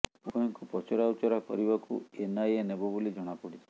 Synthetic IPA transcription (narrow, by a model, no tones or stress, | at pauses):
poiŋkupɔt͡ʃʰɔɾawt͡ʃɔɾakɔ̰ɾibakṵenajenebɔbulid͡ʒɔɽ̃apɔɽit͡ʃʰe̥